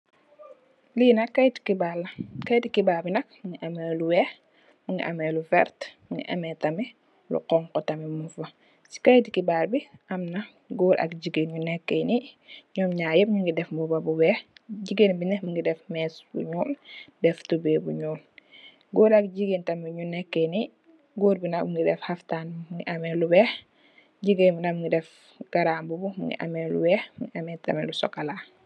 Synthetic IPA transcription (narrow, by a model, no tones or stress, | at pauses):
liːnɐkːɐjti̥kibalːɐkɐjtikibaːbinɐk̚muŋɡiʔɐmɛluwɛːx | muŋɡḭʔɐ̰mɛlufɛ̰ɾtmuŋɡḭʔɐ̰mɛtɐmɛ | lṵqɔŋkɔtɐmɛmunfɐ | si̥kɐjtikibaːlbiʔɐmnɐ | ɡuːɾʔɐ̰k̚ɟiɡenɲunɛkːəjniɲɔːmɲaːjəp̚ɲuŋɡidɛfmbubɐbuwɛːxɟiɡenbinɛmuŋɡidɛfmɛːsbṵɲuːldɛftubeːbṵɲuːl | ɡoːɾɐk̚ɟiɡentɐmɛɲunɛkːeni | ɡuːɾbinamuŋɡidɛfhaftanmuŋɡiʔɐmɛlubɛːx | ɟiɡenbinamŋɡidɛf | ɡ̥ɐɾaːmbubumṵŋɡḭʔɐ̰mɛlṵbɛːxmuŋɡiʔɐmɛntɐ̰mɛlusɔkalaː